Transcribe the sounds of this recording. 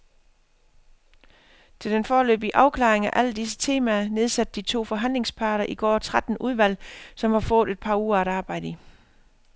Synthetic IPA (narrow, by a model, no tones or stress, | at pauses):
t͡sʰe̝ld̥enfɒːlø̰ːb̥iʔɑ̈ʊkʰlɑ̈ːʁeŋæʔælədis̬ə̥t͡sʰe̝ːmæːɐne̝ð̞ˠsæd̥̚d̥it͡sʰo̝̰ːfɒ̽ɦæn̰le̝ŋspʰɑ̈ːɾ̥ɐʔiɡ̥ɒ̰ːt͡sʰʁad̥n̩uð̞ˠʋæl̰sɒ̽mhɑ̈fɔ̽ːð̩ˠe̝d̥̚pʰɑ̈uːɐæɾ̥ɑ̈ːb̥ɑ̈ɪ̰d̥ə